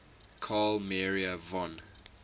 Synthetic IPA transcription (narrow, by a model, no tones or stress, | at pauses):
kʰalmɛɹiəvɔ̃n